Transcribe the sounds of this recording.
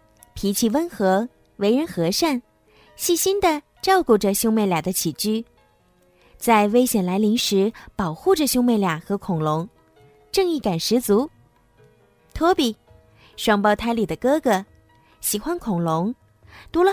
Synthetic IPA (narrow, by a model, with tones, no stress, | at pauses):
pʰi˧˥t͡ɕʰi˧˥wə˥nxɤ˧˥ | we˧˥ɪɻə˧˥nxɤ˧˥ʂa˥˩n | ɕi˥˩ɕi˥nd̪ə˨ | ʈ͡ʂɑ˥˧ʊku˥˩ʈ͡ʂə˨ɕjʊ˥me˥˧ɪljɑ˨˩d̪ə˦t͡ɕʰi˨˩t͡ɕy˥˩ | t͡sa˥˧ɪwe˥ɪɕjɛ˨˩nla˧˥ɪli˧˥ŋʂɻ̩˧˥pɑ˨˩ʊxu˥˩ʈ͡ʂə˨˩ɕjʊ˥me˥˧ɪljɑ˨˩ŋxɤ˧˥kʰʊ˨˩ŋlʊ˧˥ŋ | ʈ͡ʂɤ˥˧ŋi˥˩ka˨˩nʂɻ̩˧˥t͡su˧˥ | t̪ʰwɔ˥pi˨˩ | ʂwɑ˥˧ŋpɑ˥˧ʊt̪ʰa˥ɪli˨˩d̪ə˦kɤ˥ɡə˨˩ | ɕi˨˩xwa˥nkʰʊ˨˩ŋlʊ˧˥ŋ | t̪u˧˥lə˧